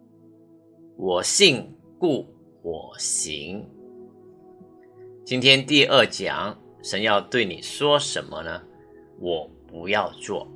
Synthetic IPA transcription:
wɔ˨˩ɕi˥˧ŋ | ku˥˩ | xwɔ˨˩ɕḭ˧˥ŋ | t͡ɕi˥nt̪ʰjɛ˥nt̪i˥˧ʔə˥˩t͡ɕjɑ̰˨˦ŋ | ʂə˧˥njɑ˥˧ʊt̪we˥˩ɪnḭ˨˩ʂwɔ˥ʂə˧˥nmə˧nə˧ | wɔ˨˩pu˧˥jɑ˥˧ʊt͡swɔ̰˥˩

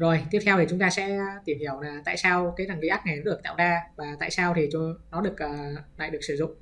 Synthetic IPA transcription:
zo˨˩jt̪i˦˥p̚t̪ʰɛ˧w̪ʰi˨˩ʊ˨˦ŋ͡mt̪aː˧sɛ̰˧˥˧t̪i˧˩əmhi˧˩əwnaː˨˩t̪a̰ː˧˨jsaː˧wkaː˨˦jɾaː˨˩ŋli˨˦aː˦˥k̚ŋɛ˨˩˦nɗɨ˨˩ək̪̚a̰ː˧˨wɗaː˧vaː˨˩t̪a̰ː˧˨jsaː˧wt̪ʰi˨˩t͡ɕnɔ˨˦ɗɨ˨˩ək̚ʔəː˨˩la̰ː˧˨jɗɨ˨˩ək̚sɨ˧˩zʊ̰˧˨ŋ͡m

